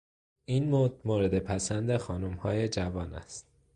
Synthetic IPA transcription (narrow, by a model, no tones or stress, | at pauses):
ʔiːnmoːd̪moːɾe̞d̪e̞pʰæsænd̪exɒːnumhɒːje̞d͡ʒævɒːnæ̰st̪